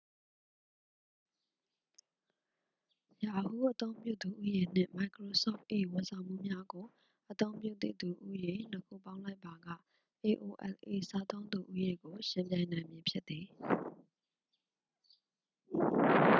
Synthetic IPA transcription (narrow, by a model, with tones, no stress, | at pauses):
ja˨hu˦˨ʔə˦t̪õ˦ʊ̃mpjṵ˦˨d̪u˨ʔu˦je˨n̥ɪ̰̃˦˨ma˨ɪkɹo˨sɔ̰˦˨pʔe˨wʊ̃˨sʰã˨ʊ̃m̥ṵ˦˨mja˦ɡo˨ | ʔət̪õ˦ʊ̃mpjṵ˦˨t̪ḛ˦˨d̪u˨ʔu˦je˨n̥əkʰṵ˦˨pã˦ʊ̃la˦ɪpːa˨ɡä̰˦˨ | ʔe˨ʔo˨ʔɛ̰˨lʔe˨sa˦t̪õ˦ʊ̃nd̪u˨ʔu˦je˨ɡo˨ʃɪ̃˨mpjã˨ɪ̃nã˨ɪ̃mje˨pʰjɪ˦t̪̚ːi˨